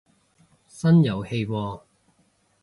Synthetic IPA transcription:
sɐ˥njɐ˨˩whe˧jwɔː˧

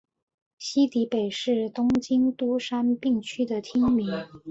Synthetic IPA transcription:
ɕi˥t̪i˧˥pe˨˩ɪʂɻ̩˥˩t̪ʊ˥ŋt͡ɕi˥nt̪u˥ʂa˥npi˥˩ŋt͡ɕʰy˥d̪ə˨t̪ʰi˥ŋmi˧˥ŋ

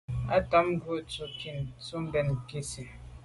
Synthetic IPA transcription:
a˦ta˦m̩˦ɡwo˦˨t͡su˨ki˨nt͡su˦m˦bɛ˨n˨ke˦si˨

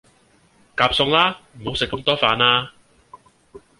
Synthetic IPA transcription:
kaː˧p̚sʊ˧ŋlaː˥m̩˨˩ho˨˥wsɪ˨kːɐ˧mt̪ɔː˥faː˨˧naː˥

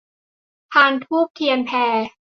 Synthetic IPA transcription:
pʰaː˧np̪ʰuː˥˩k̚t̪ʰi˧ənpʰɛː˧

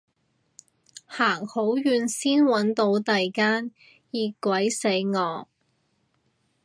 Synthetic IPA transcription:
haː˨˩ŋho˨˥wjyː˨˧nsiː˥nwɐ˨˥nt̪o˨˧wt̪ɐ˨jkaː˥n | jiː˧kʷwɐ˨˥jse˨˥jŋɔː˨˧

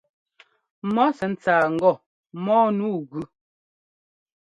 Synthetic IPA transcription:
mɔ˦sɛ˨n̩˦t͡saː˨ŋ̩˨˦ɡɔ˦˨ | mɔː˦nuː˦˨ɣʉ˨

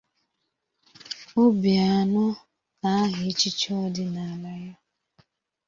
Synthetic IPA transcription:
o˦bja˨nʊ˦ | na˨˦a˦ɦɪ˨˦t͡ʃi˦t͡ʃɔ˦dɪ˦na˨a˨la˦ja˦

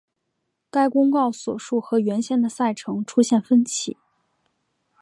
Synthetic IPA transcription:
ka˥ɪkʊ˥ŋkɑ˥˩ʊswɔ̰˨˩ʂu˥˩xɤ˧˥ɥɛ˧˥nɕjɛ˥˩nd̪ə˨˩sa˥˩ɪʈ͡ʂʰɤ˧˥ŋʈ͡ʂʰu˥ɕjɛ˥˩nfə˥nt͡ɕʰḭ˧˩˦

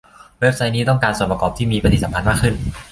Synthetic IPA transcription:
we˦˥p̚sa˦˥jniː˦˥t̪ɔ˥˩ŋkaː˧nsu˨˩npa˧kɔː˨˩p̚t̪ʰiː˥˩miː˧pa˧t̪i˨˩t̪spʰa˧nmaː˥˩kʰɯ˥˩n

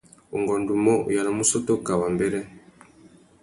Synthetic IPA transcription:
u˨ŋɡɔ˨ndu˨mɔ̰˦˨ja˨na˨mu˦sɔ˦tɔ˦ka˨wa˨mbɛ˨ɾɛ˦

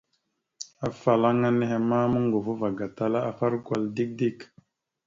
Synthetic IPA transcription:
a˨fa˨la˦ŋa˦ne˦ɦe˨ma˦mə˦ŋɡo˨fu˦va˨ɡa˨ta˦la˦a˨fa˦ɾɡʷa˨ldi˦k̚di˦k

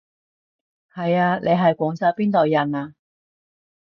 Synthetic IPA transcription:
hɐ˨jaː˧lʔe˨˧ɦɐ˨jkʷɔː˨˥ŋt͡saː˧wpiː˥nt̪o˨wjɐ˨˩naː˧

